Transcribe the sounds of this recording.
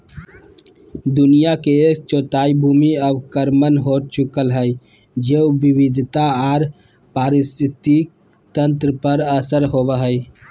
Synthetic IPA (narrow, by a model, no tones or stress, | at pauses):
d̪ʊnijaket͡ʃoːt̪aibʱumiəbkəɾmənɦot͡ʃukəlɦəj | d͡ʒeubiʋid̪ʱt̪aaːɾ | paɾɪst̪ʰɪt̪i | t̪ə̃nt̪ɾəpəɾəsəɾɦobəɦəj